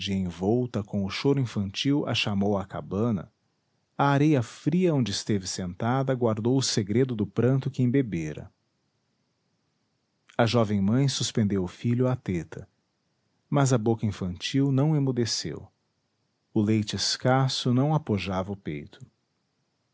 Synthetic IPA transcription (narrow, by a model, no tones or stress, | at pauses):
d͡ʒiɐẽj̃vɔwt̪ɐkõw̃ʊʃoɾʊĩfɐ̃nt͡ʃiwɐ̰ʃamowɐka̰bɐ̃nɐ̰ | ɐːɾejɐfɾiɐõnd͡ʒɪɪst̪evɪsẽnt̪ad̪ɐɡwaɾd̪owʊseɡɾed̪ʊd̪ʊpɾɐ̃nt̪ʊkɪẽbebeɾɐ̰ | ɐʒɔvẽj̃mɐ̃j̃suspẽnd̪ewʊfiʎʊat̪et̪ʰɐ | mɐzɐbokɐĩfɐ̃nt͡ʃiwnɐ̃w̃ẽmud̪esḛw | ʊlejt͡ʃɪɪskasʊnɐ̃w̃apoʒavɐʊpḛjt̪ʰʊ̥